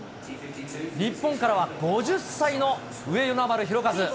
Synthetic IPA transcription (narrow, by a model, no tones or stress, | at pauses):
ɾʲipːõ̞ŋkaɾaβaɡo̞ʑɨsːaino̞ | ɯ̟e̞jonambaɾɯ̟çiɾo̞kazɨ